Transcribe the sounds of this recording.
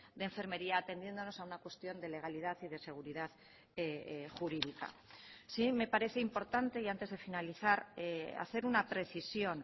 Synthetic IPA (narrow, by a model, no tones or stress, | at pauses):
d̪eɱfeɾme̞ɾiaːt̪e̞nje̞nd̪o̞no̞saunakwe̞st̪jo̞nd̪e̞le̞ɣ̞aliðaθiðe̞se̞ɣ̞uɾiðað | xuɾiðika̰sime̞paɾe̞θe̞impo̞ɾt̪ant̪e̞iant̪e̞zðe̞finaliθaɾea̰θe̞ɾunapɾe̞θisjo̞n